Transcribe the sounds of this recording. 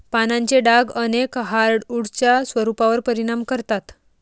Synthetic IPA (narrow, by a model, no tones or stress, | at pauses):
panaɲt͡ɕeɖaɡənekɦaɾɽuɽt͡ɕjasʋəɾupaʋəɾpəɾiɽ̃amkəɾt̪at̪